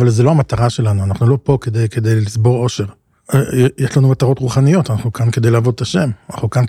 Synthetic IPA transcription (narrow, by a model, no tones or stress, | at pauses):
valzelo̞amat̪aʁaʃe̞lanuanaχnulo̞po̞ke̞d̪ejke̞d̪ejlisbo̞ʁo̞ʃe̞ʁ | eejeʃlanumat̪aʁo̞tʁuχanijo̞t̪anaχnukanke̞d̪ejlaːvo̞d̪taʃe̞mana̰χnukan